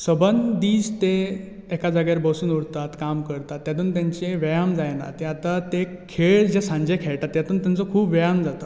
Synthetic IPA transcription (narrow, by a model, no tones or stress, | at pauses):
səbənd̪iːd͡zt̪eː | kad͡zaɡaɾbəsuːnuɽt̪at̪kamkəɾt̪at̪ːjat̪uːnt̪jãɲt͡ɕeʋejamd͡zajna̰t̪eat̪at̪ekʰeɭd͡ʑesãɲd͡ʑekʰeɭt̪at̪ːjat̪uːnt̪jant͡sɔkʰuːpʋɛjamd͡zat̪ə